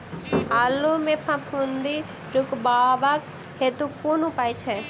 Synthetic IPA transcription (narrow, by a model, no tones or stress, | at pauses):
alumẽpʰãpʰũnd̪i | ɾukbaʋak | het̪ukunũpajt͡ʃʰɛ